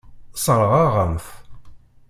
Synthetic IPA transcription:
sˤəɾˤʁaʁəmf

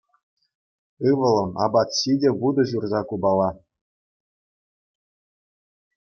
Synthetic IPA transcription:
ɯʋɤ̆lˠɤ̆mɑ̰bɑt̪ɕidʲeʋud̪ɤ̆ʑurzɑkubɑlˠɑ

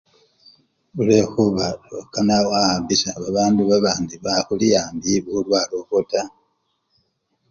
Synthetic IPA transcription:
βulexuβaokanawaambisaβaβaːnduβaβaːndiβaxulijaːmbiβuulwaːlokota

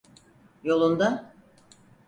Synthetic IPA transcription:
jo̞lˠund̪a

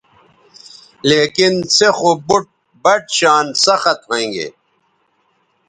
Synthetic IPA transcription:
leːkinsexobuʈ̚ | bɐʈɕaːnsɐxɐt̪̚ɦõĩŋɡḛː

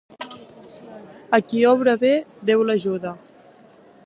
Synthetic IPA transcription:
əkiɔβɾəβed̪ewləʒuðə

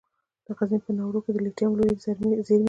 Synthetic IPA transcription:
d̪̥əqazepənawɾoked̪əliʈjɑmloɾizɾzeɾm

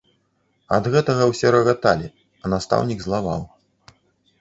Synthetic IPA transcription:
ɐ̰d̪ɣɛt̪ɐɣɐwsʲɛɾɐɣat̪alʲi | ɐnast̪a̰wnʲiɡzlˠava̰w

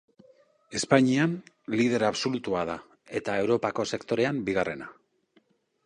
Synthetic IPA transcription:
e̞spaɲian | lið̞e̞ɾaβso̞lut̪uað̞a | e̞t̪ae̞wɾo̞pako̞se̞kt̪o̞ɾe̞ambiɣ̞are̞na

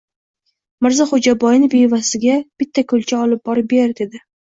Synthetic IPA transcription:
mɪɾzaχod͡ʒabɒjɪnɪbejvasɪɡʲab̥ɪt̪ʰːakʰɵlt͡ʃʰaɒlɪp̚bɒɾɪp̚beɾd̪e̞d̪ɪ

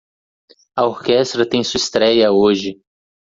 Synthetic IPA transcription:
ɐoɾkɛst̪ɾɐt̪ẽj̃suɐist̪ɾɛjɐoʒɪ

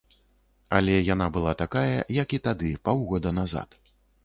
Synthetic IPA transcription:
alʲɛjanabɨlˠat̪akajɐjɐkit̪ad̪ɨpawɣɔd̪ɐnaza̰t̪

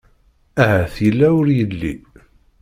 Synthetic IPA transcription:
æɦæθjəlːæwʊɾjəlːḭ

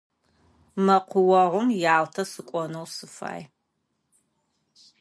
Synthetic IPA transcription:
mɐqʷʊwɐʁʷʊmjaːltʰɐsɨkʷʼɔnɐwsɨfa̰ːj

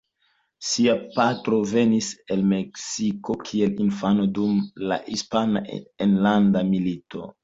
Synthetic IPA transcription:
siapatɾo̞ve̞nise̞lme̞ksiko̞kʰielinfano̞dumla̰hispanaenlandamilito̞̰

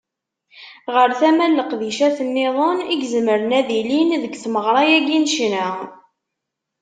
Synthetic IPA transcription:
ʁəɾθæmælːəqðiʃæθənːɪðˤoniɡzəməɾənæðilinðəɡθməʁɾˤɑjæɡinʃnə

